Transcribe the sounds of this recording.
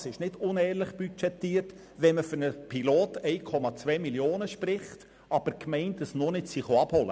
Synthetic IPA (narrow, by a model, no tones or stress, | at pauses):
sɪʃnɪdʊnɛːɾlɪχb̥yt͡ʃɛtːiːrt | ʋɛnməføɾnəpʰiloːtɛɪkʰɔmɑt͡sʋɛːmiljoːnəʃprɪχt | ɑb̥əɾkmɛɪnt̚d̥ɑsnonɪtsiχoɑb̥hɔlə̰